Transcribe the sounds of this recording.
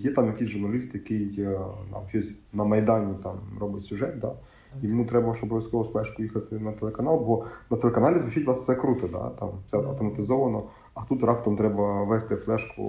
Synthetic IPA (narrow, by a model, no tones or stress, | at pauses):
jɛt̪ɑmjɐkɪjsʲʒʊrnɐlʲist̪jɐkɪjt̪ɑ̰mʃt͡ʃɔsʲ | nɐmɐjd̪ɑnʲit̪ɑmɾɔbɪtʲsʲʊʒɛt̪̚d̪ɑ̰ | iʋɪmut̪ɾɛbɐʃɔbɔʋʲɐsʲkɔɦɔsflˠɛʃkʊjixɐt̪ɪnɐt̪elˠekɐnɑlˠbɔnɐt̪elekɐnɑlʲizʋʊt͡ʃɪtʲʋɑst̪sɛkɾut̪ɔd̪ɑ̰t̪ɑ̰mfsɛɐ̰wt̪ɔmɐt̪ɪzɔʋɐnɔ | ɐt̪ut̪ɾɑpt̪ɔmt̪ɾɛbɐʋɛst̪ɪflˠɛʃkʊ̰